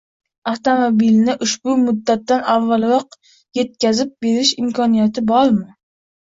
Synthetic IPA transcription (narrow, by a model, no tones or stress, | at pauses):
aft̪omobilnɪʔʊʃbʊmʊd̪ːat̪ːanavːalˠɾɒq̚ | je̞t̪̚kʲazɪp̚be̞ɾɪʃɪmkʰɒnijat̪ʰɪbɒɾmɪ